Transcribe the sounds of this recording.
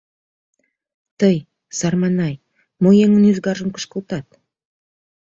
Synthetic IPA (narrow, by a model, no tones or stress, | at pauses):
t̪əj | sɑrmɑnɑj | mojeŋə̆nyzɡɑɾʒə̆mkə̥̆ʃkə̆lˠt̪ɑt̪̚